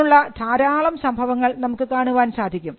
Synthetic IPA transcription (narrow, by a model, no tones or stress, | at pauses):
uɭːɐt̪ʰaːɾaːɭɐmsɐmbʱɐʋɐŋːɐɭnɐmukːɨkaːɳuʋaːnsaːd̪ʱikʲːum